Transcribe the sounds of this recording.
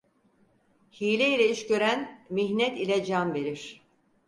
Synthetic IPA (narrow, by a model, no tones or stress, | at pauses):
hiːlʲɛilʲɛiʃcøɾænmiçnɛt̪ilʲɛd͡ʒamve̞ɾiɾ̥